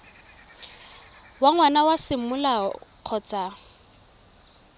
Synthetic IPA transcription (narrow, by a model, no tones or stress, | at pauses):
waŋwanawasɪmʊlaq͡χʰɔt͡sʼa